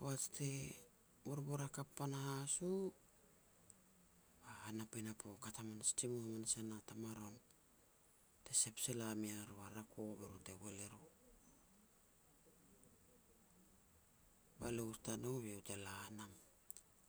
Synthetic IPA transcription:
poat͡ʃte | moɾboɾakapːanahasu | bahanapajnapokatamanstimuhamanasanatamaɾo̞n | te̞se̞pselamiaɾuaɾakʰobeɾute̞weleɾo | ba̰loustanoβiwtelaːnam

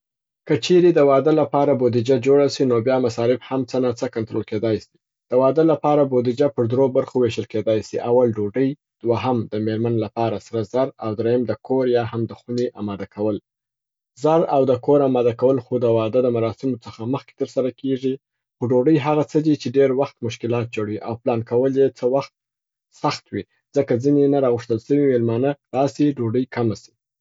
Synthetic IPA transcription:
kət͡ʃeɾed̪əwɑd̪əlapɑɾabod̪id͡ʒad͡ʒoɽasinobjɑmasɑɾɪbhamt͡sənat͡səkant̪ɾolked̪ɑjsi̥ | d̪̥əwɑd̪əlapɑɾabod̪id͡ʒapəɾd̪ɾobaɾxoweʃəlked̪ɑjsiʔawalɖoɖəj | d̪̥waɦamd̪əmeɾmanlapɑɾasaɾazaɾawd̪ɾejəmd̪əkʰoɾjɑhamd̪əxuneʔamɑd̪akʰawəl | zaɾawd̪əkoɾamɑd̪akawəlxod̪əwɑd̪əd̪əmaɾɑsɪmot͡səxaməxke̥t̪əɾsaɾakeʐi | xoɖoɖəjɦaɣat͡səd̪it͡ʃeɖeɾwaxt̪mʊʃkɪlɑt̪̚d͡ʒoɽwiʔa̰wplɑnkawəljet͡səwaxt̪̚ | saxt̪wi | z̥əkazinenaɾɑɣʊʂt̪əlsəwimelmɑnəlɑsiɖoɖəjkamasi̥

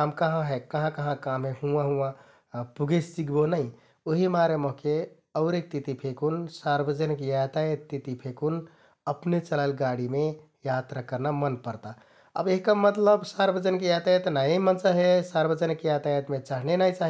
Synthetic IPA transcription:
amkəɦãɦɛkəɦãkəɦãkamːehuãɦũã | puɡessikbonai | oɦimaɾemoɦke | əʊɾek̚t̪it̪ipʰekunsaɾbəd͡ʒənkjat̪ajet̪ːit̪ipʰekun | əpnet͡ʃəlaɪlɡaɽime | jat̪ɾakəɾnamənpəɾt̪a | ə̰beɦikamət̪ləbsaɾbəd͡ʒənkejat̪ajet̪najemənt͡ʃaɦesaɾbəd͡ʒənkejat̪ajet̪met͡ʃaɦnenaĩt͡ʃaɦi

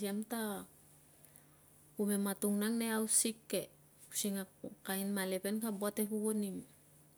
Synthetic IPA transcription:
iamta | umematuŋnaŋneawsikːe | usiŋakainmalepenkaboatepuɡonim

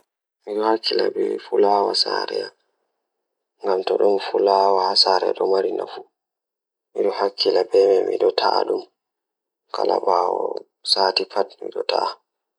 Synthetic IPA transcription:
miɗɔhakːilabɛfulaːwasaɾɛja | ŋɡamtɔɗumfulaːwahasaɾɛɗɔmaɾinafu | miɗɔhakʰːilabɛmɛmḭɗɔtʰaɗum | kʰalaɓawɔ | satipatmḭɗɔta

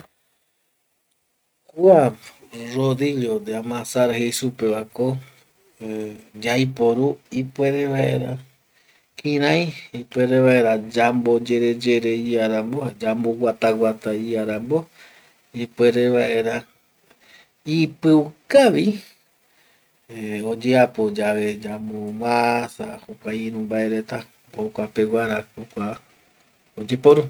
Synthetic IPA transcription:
kua | ɾoðiʎod̪eamãsaɾhejsupeβako | d͡ʒajpoɾuipweɾeβaʔḛɾa | kʰĩɾãj̃ipweɾeβaʔeɾad͡ʒambod͡ʒeɾe̞d͡ʒeɾeiaɾambohad͡ʒambowat̪awʷat̪aiaɾambo | ipweɾeβaʔe̞ɾa | ipɨukaʋi | od͡ʒeapo̞d͡ʒaβe̞d͡ʒamomasahokʷaiɾ̃ũmbaʔeɾet̪a | bokʷapewaɾahokʷa | od͡ʒepoɾu

